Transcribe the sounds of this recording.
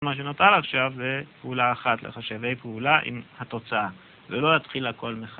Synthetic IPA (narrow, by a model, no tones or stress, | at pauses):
maʃ̬enot̪alaχʃavbepeulaːχat̪lḛχaʃavejpeulaʔḭmhat̪o̞t͡saa | velo̞jat̪χilako̞lmeχa